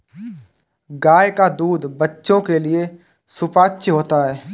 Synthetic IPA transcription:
ɡaːjkad̪uːd̪bɐtːʃõkelie | sʊpaːtːʃɦoːt̪aɦɛː

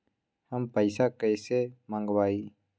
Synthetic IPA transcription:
həmpəɪsakəjseməŋɡwaːiː

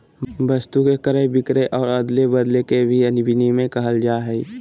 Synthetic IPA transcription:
bəst̪ukekəɾəɦbɪkɾeʔɔːɾəd̪lebəd̪lekebʱiənɪbʱɪnimẽkɐɦəld͡ʒaːɦɛi

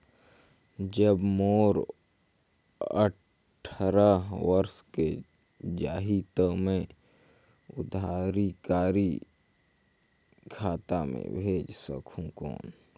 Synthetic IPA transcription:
d͡ʒəbmoːɾ | ə̰ | ʈʰɾaʋəɾske | d͡ʒa̰ːɦit̪əmẽ | ʊd̪aːɾikaːɾi | kʰaːt̪amḛ̃bʱeːd͡ʒsə̰kʰũko̰ːn

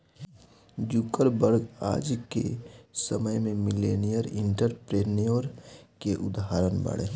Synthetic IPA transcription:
d͡ʒukəɾbəɾɡa̰ːd͡ʒkḛsəməjmẽmɪleːnijəɾɪ̃ɳʈəɾpɾeːnijoɾkeʔʊd̪ɦaɾənbə̰ɽḛː

